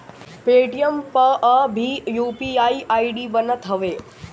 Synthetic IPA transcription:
peːʈijəmpɐʔəbʱijuːpiaiʔaiɖiːbənət̪ɦɐʋeː

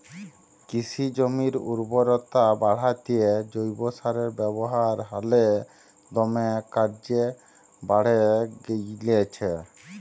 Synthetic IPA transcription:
kisʰid͡ʑomiɾṵɾboɾɔt̪abaɽ̤at̪ied͡ʑojbosaɾeɾbɛboɦaɾɦale | d̪ɔmekaɾd͡ʑe | baɽ̤eɡelet͡ɕʰe

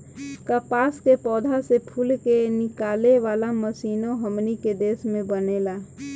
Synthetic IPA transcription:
kəpaːskepɔːd̪ʱasepʰulkenɪkaːleʋaːlaməsiːnõɦəmniked̪eːsmẽbənela

